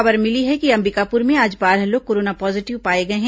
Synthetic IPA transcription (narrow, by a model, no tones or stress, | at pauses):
ɐbəɾmɪliɦɛkiɐ̃mbɪkaːpʊɾmẽaːd͡ʒbaːɾəloːɡ̚koːɾoːnapɔːzɪʈɪʋpaːeɡɐeɦɛ̃